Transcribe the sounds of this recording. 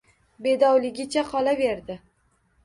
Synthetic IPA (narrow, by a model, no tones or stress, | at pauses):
be̞d̪ɒwlɪɡʲɪt͡ʃʰaqʰɒlave̞ɾd̪ɪ